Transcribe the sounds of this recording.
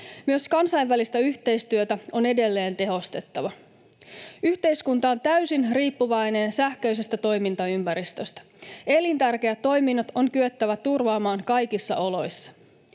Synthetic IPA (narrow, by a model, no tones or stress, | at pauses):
myøskɑnsɑjʋʋælist̪æyçt̪e̞jst̪yøt̪æo̞ne̞de̞lːe̞ːnt̪e̞ɦo̞st̪e̞t̪ːɑʋɑ | yçt̪e̞jskunt̪ɑont̪æysinriːpːuʋɑjne̞nsæhkøjse̞st̪æt̪o̞jmint̪ɑympæɾist̪ø̞st̪æ̥ | e̞lint̪ærk̟e̞æt̪ːo̞jminːɑt̪o̞ŋkyøt̪ːæʋæt̪urʋɑːmɑːnkɑjkisːɑ̰ʔo̞lo̞jsːɑ̥